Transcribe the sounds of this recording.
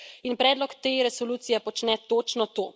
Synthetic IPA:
inpɾɛːd̪lɔkt̪eːɾɛsɔluːt̪sijɛpɔt͡ʃnɛt̪oːt͡ʃnɔt̪oː

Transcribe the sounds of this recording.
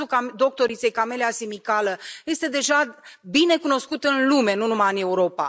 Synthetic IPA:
ukad̪o̞k̚t̪o̞ɾit̪sejkame̞leasimikaləje̞st̪e̞d̪e̞ʒabine̞kuno̞skut̪ɨnlume̞nunumaɨne̞uɾo̞pa̰

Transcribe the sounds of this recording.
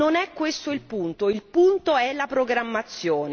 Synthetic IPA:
onɛkːwest̪oilpunt̪oilpunt̪oɛlapɾoɡɾamːat̪sːjoːne

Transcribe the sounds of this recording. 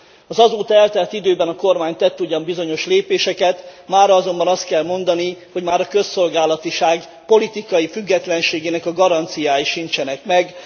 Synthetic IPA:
ɒzɒzoːt̪ɛlt̪ɛrt̪id̪øːbɛnɒko̞rmaːɲt̪ɛt̪ːuɟɒmbizo̞ɲo̞ʃleːpeːʃɛkɛt̪maːrɾɒɒzo̞mbɒnɒst̪kɛlmo̞nd̪ɒniho̞ɟmaːɾɒkø̞sːo̞lɡaːlɒt̪iʃaːɡ | po̞lit̪ikɒjifyɡːɛt̪lɛnʃeːɡeːnɛkɒɡɒɾɒnt̪sijaːjiʃint͡ʃɛnɛkmɛɡ

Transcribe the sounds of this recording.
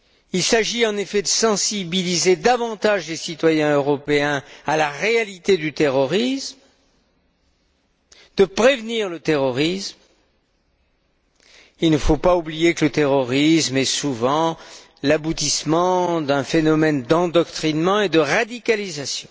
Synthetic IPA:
ilsaʒiɑ̃nefɛd̪əsɑ̃sibilized̪avɑ̃t̪aʒlesit̪wajɛ̃øʁɔpeɛ̃alaʁealit̪ed̪yt̪eʁɔʁism | d̪̥əpχevniʁlət̪eʁɔʁism | ilnəfopaublijeklət̪eʁɔʁismɛsuvɑ̃ | labut̪ismɑ̃d̪ɛ̃fenɔmɛnd̪ɑ̃d̪ɔkt̪χinmɑ̃ed̪əʁad̪ikalizasjɔ̃

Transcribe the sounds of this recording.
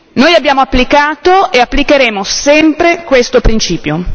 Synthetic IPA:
noːjabjaːmoapːlikaːt̪oeapːlikeɾeːmosɛmpɾekwest̪opɾint͡ʃiːpjo

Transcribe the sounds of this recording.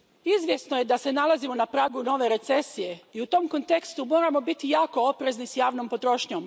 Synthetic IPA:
izʋje̞sno̞je̞d̪ase̞nalˠazimo̞napɾaːɡuno̞ʋe̞ɾe̞t̪se̞sije̞iut̪o̞mko̞nt̪e̞kst̪umo̞ːɾamo̞bit̪ijaːko̞opɾeznisjaːʋno̞mpo̞t̪ɾo̞ʃɲom

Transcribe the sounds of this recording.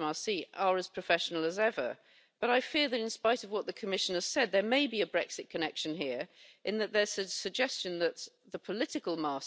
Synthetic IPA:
mɑsiə˞əz̥pʰɹ̥əfɛʃnl̩ˠəzɛvə̰˞ | b̥ʌɾaɪfɪɹðɨɾɪ̃nspaɪɾʌvwɒʔ̪̚ðəkʰəmɪʃə̃n̩əz̥sɛd̪̚ðə˞meɪbiɨbɹɛksɨt̚kʰənɛkʃɨ̃nɦiəɹʔɨ̃nðəʔ̪̚ðə̥˞ɨsəɡ̚d͡ʒɛst͡ʃɨ̃nðət̪̚ | ðəpʰəlɪtɨkəlˠmɑˑ

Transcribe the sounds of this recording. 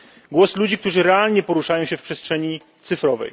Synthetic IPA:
ɡwɔslud͡ʑik̚t̪uʐɘɾɛalɲɛpɔɾuʂajɔw̃ɕɛfpʂɛstʂɛɲi | t̪sɘfɾɔvɛ̰j

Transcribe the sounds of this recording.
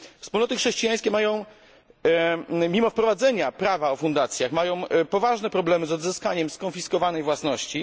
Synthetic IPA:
fspulnɔt̪ɘxʂɛɕt͡ɕijaj̃skʲɛmajɔ̃w̃ | mʲimɔfpɾɔvad̪zɛɲapɾavaɔfund̪at̪sʲjaxmajɔ̃w̃pɔvaʐnɛpɾɔblɛmɘzɔd̪zɘskaɲɛmskɔnfʲiskɔvanɛjvwasnɔɕt͡ɕi

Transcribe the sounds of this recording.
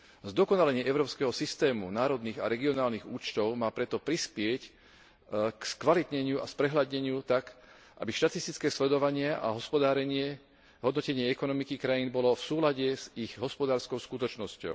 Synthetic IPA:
zd̪ɔkɔnalɛɲɪɛʔɛʊɾɔːpskɛɦɔsist̪ɛːmṵnaːɾɔd̪niːɣa̰ɾɛɡiɔnaːlniɣuːt͡ʃt̪ɔʊmaːpɾɛt̪ɔpɾispɪɛc | kskʋalit̪ɲɛɲɪuaspɾɛɦlad̪ɲɛɲɪut̪ak | ʔa̰biʃt̪at̪ist̪it͡skɛːslɛd̪ɔʋaɲɪaʔa̰ɦɔspɔd̪aːɾɛɲɪɛ | ɦɔd̪nɔcɛɲɪɛɛkɔnɔmikikɾajinbɔlɔfsuːlaɟɛz̥iɣɦɔspɔd̪aːɾskɔʊskut̪ɔt͡ʃnɔscɔ̰ʊ

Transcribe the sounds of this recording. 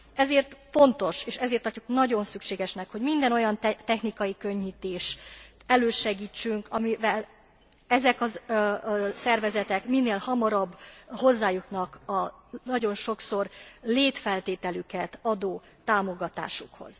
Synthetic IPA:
ɛzeːrt̪fo̞nt̪o̞ʃeːʃɛzeːrt̪ːɒcːuknɒɟo̞nsykʃeːɡɛʃnɛkho̞ɟmind̪ɛno̞jɒnt̪t̪ɛxnikɒjikø̞ɲːit̪eːʃt̪ɛløːʃɛɡiːt͡ʃːyŋkɒmivɛl | ɛzɛkɒ | sɛrvɛzɛt̪ɛkminːeːlhɒmɒɾɒbːho̞zːaːjuknɒkɒnɒɟo̞nʃo̞kso̞rleːt̪fɛlt̪eːt̪ɛlykɛt̪ɒd̪oː | t̪ːaːmo̞ɡɒt̪a̰ːʃukho̞̰z̥

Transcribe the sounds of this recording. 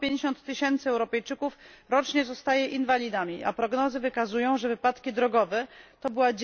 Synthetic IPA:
pʲjẽɲd͡ʑeɕɔnt̪ːɘɕɛnt̪sɘɛwɾɔpɛjt͡ʂɘkuf | ɾɔt͡ʂɲɛzɔst̪ajɛʔinvalʲid̪amʲiʔa̰pɾɔɡnɔzɘvɘkazujɔ̃w̃ʐɛvɘpat̪kʲid̪ɾɔɡɔvɛt̪ɔbɘwad͡ʑ

